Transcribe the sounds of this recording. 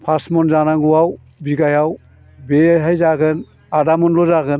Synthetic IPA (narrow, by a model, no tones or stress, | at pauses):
pʰasmɔnzanaŋɡuwaw | biɡajaw | beɦajzaɡɯn | adamɔnlɔzaɡɯn